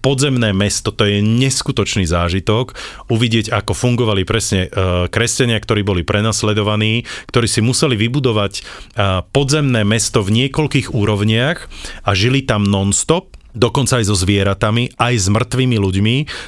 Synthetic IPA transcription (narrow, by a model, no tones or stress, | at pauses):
pɔd̪zɛmnɛːmɛst̪ɔt̪ɔjɛɲɛskut̪ɔt͡ʃniːzaːʒit̪ɔkuʋiɟɪɛɟakɔfuŋɡɔʋalipɾɛsɲɛkɾɛscaɲɪakt̪ɔɾiːbɔlipɾʔɛnaslɛd̪ɔʋaniːkt̪ɔɾiːsimusɛliʋibud̪ɔʋac | pɔd̪zɛmnɛːmɛst̪ɔvɲɪɛkɔlkiːɣuːɾɔʊɲɪaxaʒilit̪amnɔnst̪ɔp̚d̪ɔkɔnt͡saːjzɔzʋɪɛɾat̪amiʔajzmr̩t̪ʋiːmiluɟmi